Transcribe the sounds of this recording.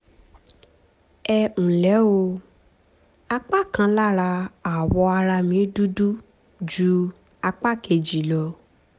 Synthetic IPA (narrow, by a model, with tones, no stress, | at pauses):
ɛ˧ũ˨lɛ˨˦o˧ | a˧k͡pa˦˨kã˧˦la˦˨ɾa˧a˨wɔ˧a˧ɾa˧mĩ˨˦du˦du˦ | d͡ʒu˨˦ | a˧k͡pa˦˨ke˧d͡ʒi˨lɔ˧